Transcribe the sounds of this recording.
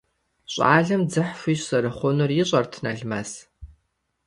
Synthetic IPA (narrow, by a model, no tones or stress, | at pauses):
ɕʼa̰ːɮɐmd͡zɨħfʷiːsɐɾɨχʷɔnʊrjɪɕʼɐrtʰnɐɮmɐs